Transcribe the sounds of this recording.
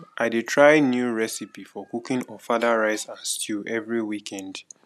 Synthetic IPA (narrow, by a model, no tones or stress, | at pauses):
ʔaɪditʰɹaɪnjuɹɛsipifɔkukɪ̃nɔfadaɹaɪsãnstʰuʔɛvɹiwikʰɛ̃nd